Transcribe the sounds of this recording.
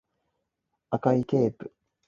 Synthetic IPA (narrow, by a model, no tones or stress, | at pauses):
akaike̞ːpɯ̟̥